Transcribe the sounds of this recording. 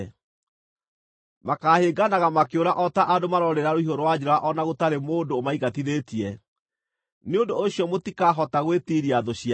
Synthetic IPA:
makaːheɡanaɣamakeoɾaʔɔtaʔadomaɾɔɾeɾaɾoiɦoɾowad͡ʑeɾaaʔɔnaɣotaɾemoːndoːmaiɣatiðeːtiɛ | neondoːɕiɔmotikaɦɔtaɣwetiɾiaðoɕia

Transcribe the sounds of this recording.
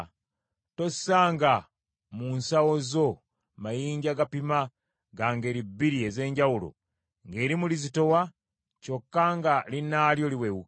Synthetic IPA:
to̞ssaːŋɡa | munsawozo | majiːɲɟaɡapima | ɡaŋɡe̞ːɾibːiɾie̞ze̞ːɲɟawulo̰ | ŋɡe̞ːɾimulizito̞wa | co̞kːaŋɡalinaːljo̞liwewu

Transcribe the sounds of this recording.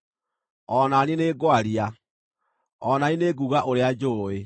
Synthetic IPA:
ɔnanineːɡoaɾia | ɔnaineɡuɣaʔoɾead͡ʒoːe

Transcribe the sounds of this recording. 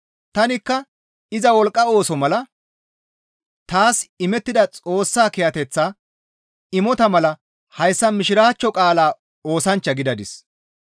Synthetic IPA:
t̪ɐnɪkːɐ | ɪzɐwɔlkʼːɐo̞ːsɔmɐlɐ | t̪aːsɪmɛt̪ːɪd̪ɐt͡sʼo̞ːsːaːkɪjɐt̪ɛt͡sːaː | ɪmɔt̪ɐmɐlɐ | hɐjsːɐmɪʃɪɾaːt͡ʃːɔkʼaːlaː | o̞ːsɐnt͡ʃːɐɡɪd̪ɐd̪ɪs

